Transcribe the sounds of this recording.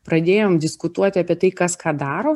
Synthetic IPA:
pɾɐd̪ʲeːjoːmd̪ʲɪskʊt̪uɔt̪ʲɪɐːpʲiɛt̪ɐɪkɐskɑːd̪ɑːɾoː

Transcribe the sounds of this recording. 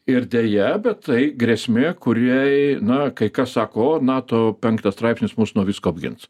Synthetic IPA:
ɪrd̪ʲeːjɛbʲɛtt̪ɐɪɡɾʲesʲmʲeːkʊɾʲijnɐkɐɪkɐssɑːkoːoːnɑːt̪oːpʲɛŋkt̪ɐst̪ɾɐɪpsʲnʲɪsmusnuɔʋʲiːskoɐbʲɡʲɪ̰ns

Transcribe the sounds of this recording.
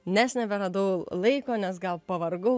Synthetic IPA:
nʲæsʲnʲɛʋʲɛɾɐd̪oːlˠɐɪkoːnʲɛsɡɐlˠpɐʋɐɾɡʊ

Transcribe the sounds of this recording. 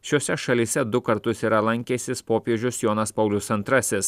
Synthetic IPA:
ʃʲoɔsʲɛʃɐlʲiːsʲɛd̪ʊkɐɾt̪ʊsiːɾɐlˠɐŋʲkʲeːsʲɪspoːpʲiɛʒʲʊsjoːnɐspɐʊlʲʊsɐnt̪ɾɐsʲɪs

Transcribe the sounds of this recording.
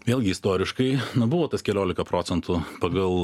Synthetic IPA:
ʋʲeːlˠɡʲɪɪst̪oːɾʲɪʃkɐɪnʊbʊʋoːt̪ɐskʲɛlʲoːlʲɪkɐpɾoːtsʲɛnt̪ʊpɐɡɐlˠ

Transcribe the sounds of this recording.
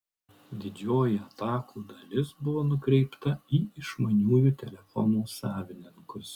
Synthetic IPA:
d̪ʲɪd͡ʒʲoːjɪɐt̪ɑːkʰuːd̪ɐlʲɪsbʊʋoːnʊkɾʲɛɪpt̪ɐiːɪʃmɐnʲuːjuːt̪ʲɛlʲɛfɔnuːsɑːʋʲɪnʲɪŋkʊs

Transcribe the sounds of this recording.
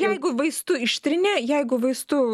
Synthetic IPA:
jɛɪɡʊʋɐɪst̪ʊɪʃʲt̪ʲɾʲɪnʲeːjɛɪɡʊʋɐɪst̪ʊ

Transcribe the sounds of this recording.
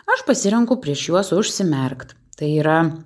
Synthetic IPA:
ɐʃpɐsʲɪɾʲɛŋkʊpʲɾʲiɛʃjuɔsʊʃʲsʲɪmʲɛɾkt̪ | t̪ɐɪiːɾɐ

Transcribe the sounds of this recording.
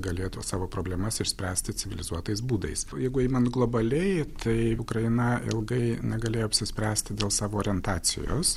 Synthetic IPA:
ɡɐlʲeːt̪usɑːʋoːpɾoːblʲɛmɐsɪʃsʲpʲɾʲæːsʲt̪ʲɪt͡s̪ʲɪʋʲɪlʲɪzuɔt̪ɐɪs̬buːd̪ɐ̰ɪsjɛɪɡʊɛɪmɐnɡlˠoːbɐlʲɛɪt̪ʰɐɪʊkɾɐjɪnɐɪ̰lˠɡɐɪnʲɛɡɐlʲeːjoːɐpʲsʲɪsʲpʲɾʲæːsʲt̪ʲɪd̪ʲeːlˠsɑːʋoːɾʲɛnt̪ɑːsʲɪ̰jo̰ːs

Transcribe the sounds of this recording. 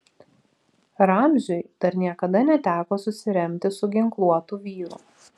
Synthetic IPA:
ɾɑmʲʒʲʊɪd̪̥ɐɾnʲiɛkɐd̪ɐnʲɛt̪ʲæːkoːsʊsʲɪɾʲɛmʲt̪ʲɪsʊɡʲɪŋklˠuɔt̪uːʋʲiːɾʊ̰

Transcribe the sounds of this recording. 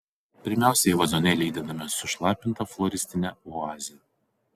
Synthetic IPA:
pʲɪɾʲmʲæˑʊsʲɛɪʋɐzɔnʲɛlʲiːd̪ʲɪd̪ɐmʲɪsʊʃlˠɑːpʲɪnt̪ɐflˠɔɾʲɪsʲt̪ʲɪnʲɛɔɑːzʲɪjɛ

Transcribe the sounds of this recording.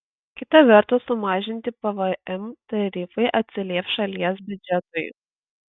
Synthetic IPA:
kʲɪt̪ɐʋʲɛɾt̪ʊsʊmɑːʒʲɪnʲt̪ʲɪpɐʋɐɛmt̪ɐɾʲifɐɪʔɐt̪ʲsʲɪlʲiːfʲʃɐlʲiɛsbʲʊd͡ʒʲɛt̪ʊɪ

